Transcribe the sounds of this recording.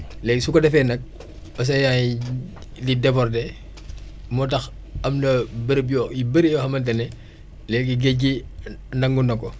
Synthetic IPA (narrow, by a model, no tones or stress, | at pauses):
lɛːksukɔdɛfɛnɐk̚ | ɐs̬ɐja | lidɛpɔrtɛ | mɔtɐx | ɐmnɐbəɾbjɔibəɾjɔxɐmɐnt̬ɛnɛ | lɛːkiɡeɟinɐŋɡunɐkɔ